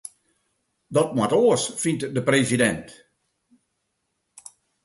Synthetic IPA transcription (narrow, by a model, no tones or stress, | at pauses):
dɔt̚matoəsfintdəprezidɛnt